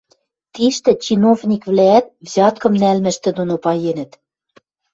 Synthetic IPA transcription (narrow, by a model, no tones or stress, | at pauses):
t̪iʃt̪ɘ̆t͡ɕinovnʲikvlæːt̪̚vzʲɑt̪̚kɤ̆mnælmɘ̆ʃt̪ɘ̆d̪onopɑjenɘ̆t̪